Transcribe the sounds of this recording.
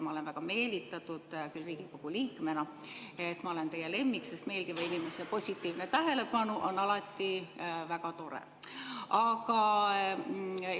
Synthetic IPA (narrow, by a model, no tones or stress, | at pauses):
mɑole̞nvæɡ̥ɑme̞ːlit̪ːˑɑt̪ːˑud̪̥kylriːɡ̥iko̞ɡ̥uliːkme̞nɑ | e̞t̪ːmɑo̞le̞nt̪e̞jele̞mːikse̞st̪me̞ːlɡ̥ivɑinime̞sepo̞sʲit̪ːˑiːvnet̪æɦe̞le̞pɑnuʔo̞nːɑlɑt̪ːˑivækɑt̪o̞ɾḛ | ɑkɑ